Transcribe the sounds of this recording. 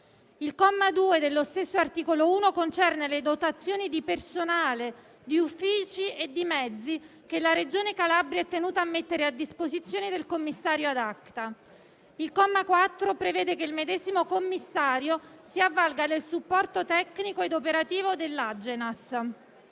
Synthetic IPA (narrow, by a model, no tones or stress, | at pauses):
ilkɔmːad̪uːed̪elːost̪esːoart̪iːkolouːnokont͡ʃɛrneled̪ot̪at̪sːjoːnid̪ipersonaːle | d̪iufːiːt͡ʃied̪ːimɛd̪zːi | kelaɾed͡ʒoːnekalabɾjɛt̪ːenuːt̪aːmːet̪ːeɾead̪ːispozit̪sːjoːnid̪elkomːisːaːɾjoad̪akt̪a | ilkɔmːakwat̪ːɾopɾevɛːd̪ekeilmed̪ɛːzimokomːisːaːɾjosiavːalɡad̪elsupːɔrt̪ot̪ɛkːnikoed̪opeɾat̪iːvod̪elːad͡ʒːenas